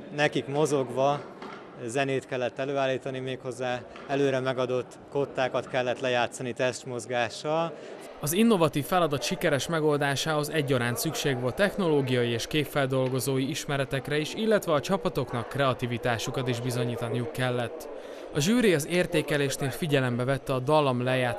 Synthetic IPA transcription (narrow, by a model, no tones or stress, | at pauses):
nɛkikmo̞zo̞ɡʋɒ | zɛneːt̪kɛlːɛt̪ːɛløːaːlːiːt̪ɒnimeːkho̞zːaː | ɛløːɾɛmɛɡɒd̪o̞t̪ː | ko̞t̪ːaːkɒt̪kɛlːɛt̪lɛjaːt̪sɒnit̪ɛst̪mo̞zɡaːʃɒl | ɒzinːo̞vɒt̪iːfːɛlɒd̪ɒt̪ʃikɛɾɛʃmɛɡo̞ld̪aːʃaːho̞zɛɟːɒɾaːnsykʃeːɡʋo̞lt̪ːɛxno̞loːɡijɒjieːʃkeːpfːɛld̪o̞lɡo̞zoːjiiʃmɛɾɛt̪ɛkrɛiʃilːɛt̪ʋɛɒt͡ʃɒpɒt̪o̞knɒkːrɛɒt̪ivit̪aːʃukɒt̪iʒbizo̞ɲiːt̪ɒnijukːɛlːɛt̪ː | ɒʒyːɾiɒzeːrt̪eːkɛleːʃneːlfiɟɛlɛmbɛvɛt̪ːɛɒd̪ɒlɒmlɛjaː